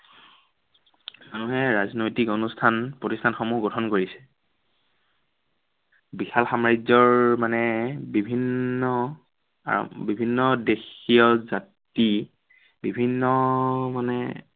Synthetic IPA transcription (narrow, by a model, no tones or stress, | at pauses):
manuɦɛɹaznojtikonustʰanpɹotistʰanxɔmuɡɔtʰɔnkoɹisɛ̥ | bixalxamaɹizɔɹmanɛbibʱinːɔ̰ | bibʱinːɔdexijɔzat | i | bibʱinːɔmanɛ